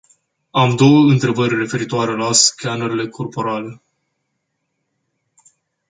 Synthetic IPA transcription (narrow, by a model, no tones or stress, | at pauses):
amd̪o̞wəɨnt̪ɾe̞bərʲre̞fe̞ɾit̪oaɾe̞laskʲanəɾile̞kʰo̞rpo̞ɾale